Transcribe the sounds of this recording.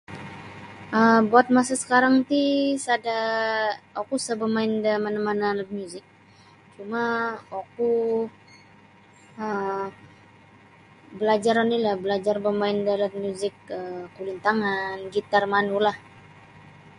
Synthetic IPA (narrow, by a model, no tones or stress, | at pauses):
ʔəmbuat̪̚masasə̥kaɾaŋt̪isada | okusəbəmaɪndamanəmanalamjuzɪk̚ | t͡ʃumaoku | ə | bəlad͡ʒaɾanilahbəlad͡ʒarbəmaɪndalamjuzɪk̚əkulint̪aŋanɡit̪armanulah